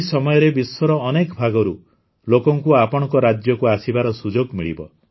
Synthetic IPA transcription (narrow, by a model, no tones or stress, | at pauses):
sɔmɔjɔɾebiswɔɾɔnekbʱaɡɔɾu | lokɔŋkuapɔɽɔ̃ŋkɔɾad͡ʒjɔkuasibaɾɔsud͡ʒoɡmiɭḭbɔ̰